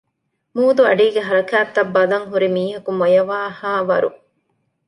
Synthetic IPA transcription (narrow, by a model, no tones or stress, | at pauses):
muːd̪uɐ̰ɖiːɡeɦɐɾɐkæːt̪ːɐbːɐlɐŋɦuɾimiːɦɐkumojɐʋaːhaːʋɐɾṵ